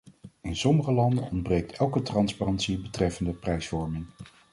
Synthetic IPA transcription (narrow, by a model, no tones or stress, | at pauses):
ɪnsɔməχəlɑndənɔndbrejk̚tɛlˠkətrɑnsparɑntsibətrɛfəndəprɛjsfɔɹmɪŋ